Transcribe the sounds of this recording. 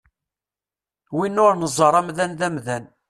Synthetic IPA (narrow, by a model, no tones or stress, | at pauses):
winːʊɾnəzˤːəɾˤæmðænðæmðæn